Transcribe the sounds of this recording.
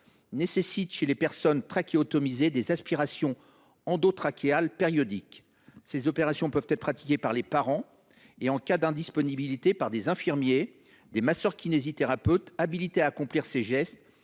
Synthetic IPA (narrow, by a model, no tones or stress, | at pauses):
nesesit̪ʃelepɛʁsɔnt̪χakʲeɔt̪ɔmized̪ezaspiʁasjɔ̃ | ɑ̃d̪ot̪χakʲealpeʁjɔd̪ik | sezɔpeʁasjɔ̃pœvt̪ɛt̪χpχat̪i̥kʲepaʁlepaʁɑ̃ | eɑ̃kʲad̪ɛ̃d̪ispɔnibilit̪epaʁd̪ezɛ̃fiʁmje | d̪emasœʁkʲinezit̪eʁapøt̪abilit̪eaːkɔ̃pliʁseʒɛst̪